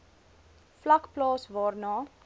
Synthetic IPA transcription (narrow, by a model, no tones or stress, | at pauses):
flɐkplɑːsvɑːrnɑː